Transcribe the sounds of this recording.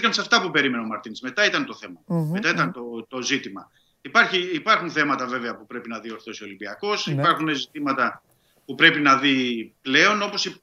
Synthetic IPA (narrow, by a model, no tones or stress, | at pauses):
ikɐnsɐft̪ɐpupe̞ɾime̞neomɐɾt̪inizme̞t̪ɐit̪ɐnt̪o̞θe̞mɐmet̪ɐit̪ɐnt̪ot̪o̞zit̪imɐ | ipɐɾçiːpɐɾxunθe̞mɐt̪ɐve̞veɐpupɾe̞pinɐðio̞ɾθosio̞limbiɐko̞sipɐɾxunezit̪imɐt̪ɐ | pupɾe̞pinɐðiple̞o̞no̞po̞si